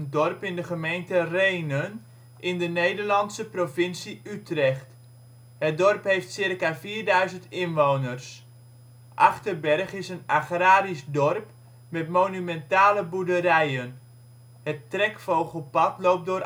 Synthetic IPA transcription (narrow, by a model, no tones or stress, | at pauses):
ndɔrpɪndəχəmejntərejnən | ʔɪndənejdərlɑnsəprovɪnsiytrɛχt | ɦət̚dɔrpɦejftsɪrkaviːrdœɥzəntɪnʋownərs | ʔɑχtərbɛrχɪsənaχraːɾisdɔrp | mɛtmonymɛntaːləbudəɾɛjən | hətːrɛkfowχəlˠpɑtlowp̚dʊːr